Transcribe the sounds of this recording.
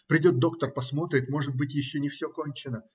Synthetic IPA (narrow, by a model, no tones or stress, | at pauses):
pɾʲɪdʲo̞t̪̚d̪o̞kt̪ərpɐsmo̞t̪ɾʲɪt̪mo̞ʐɨt̪̚bɨtʲjɪɕːonʲɪfsʲoko̞nʲt͡ɕɪnə